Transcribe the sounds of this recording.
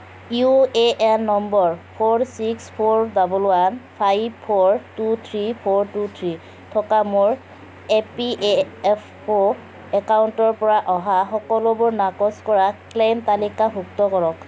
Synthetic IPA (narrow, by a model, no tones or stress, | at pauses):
jueʔɛnːɔmbɔɹpʰoɹsikspʰoɹzabɔlʊanpʰajbpʰɔɹtut̪ʰɹipʰɔɹtut̪ʰɹi | tʰɔkamoɹ | epiʔepʰ | o | ɛkauntɔɹpɔɹaʔɔɦaxɔkɔlʊbʊɹnakɔskɔɹaklemtalikabʱuk̚tɔkɔɹɔk